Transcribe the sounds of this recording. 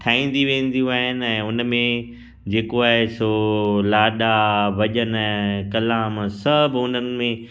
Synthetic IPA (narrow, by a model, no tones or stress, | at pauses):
ʈʰaːĩːn̆d̪iʋẽːn̆d̪ijũaːɦɪnɪ̆ɛ̃ːʊnmẽ | d͡ʑeːkoaːɦesoːlaːɗabʱɐʄənɛ̃ːkɐlaːmsɐbʱʊnənɪ̆mẽ